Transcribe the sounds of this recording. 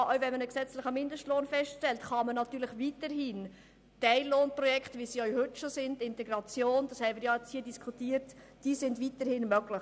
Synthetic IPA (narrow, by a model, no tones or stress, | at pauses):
ʔœvɛnmənəksɛt͡slɪχəmɪndəʃtloːnfɛstʃtɛltχɑmənɑtyːɾləχʋiːtəɾɦiːn | tɛɪlːoːnprɔjɛkχtʋisiœɥhʏtʃosɪndɪntɛɡɾɑt͡sjoːnd̥ɑshɛɪmɪɾjɑɛt͡shiːədiskʰutiːəɾt | d̥iːsɪndvitəɾhɪnmœɡlɪ